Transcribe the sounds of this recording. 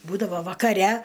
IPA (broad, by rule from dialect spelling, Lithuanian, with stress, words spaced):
ˈbuːdɐʋoː ʋɐkɐˈrʲɛ